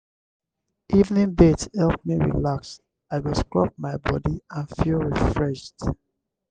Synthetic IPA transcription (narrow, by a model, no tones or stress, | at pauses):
ʔivnĩŋbethɛlpmiɹḭlaks | aɪwɔskɹɔ̰p̚maɪbɔdiãnfilˠɹifɹɛʃd